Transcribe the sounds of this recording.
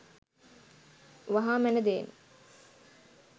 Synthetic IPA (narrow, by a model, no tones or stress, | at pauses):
ʋaɦaːmænəd̪eːn